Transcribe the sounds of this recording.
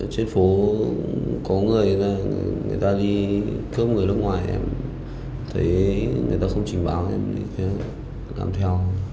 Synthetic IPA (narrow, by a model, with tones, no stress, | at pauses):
t͡ɕe˧nfo˨˦ | kɔ˨˦ŋɨ˨˩əjlaː˨˩˧ŋɨ̰˨˩əjt̪aː˧ɗi˧kə˦˥p̚ŋɨ˨˩əjlə˧˥ŋwaː˨˩jʔɛ̰˧m | t̪ʰə˨˦jŋɨ̰˨˩t̪aː˧xə˧wŋ͡mt͡ɕï˨˩ŋ̟ɓaː˨˦wʔɛ̰˧mt̪ʰi˧˩t͡ɕɛ˨˦ | la̰ː˨˩mt̪ʰɛ˧w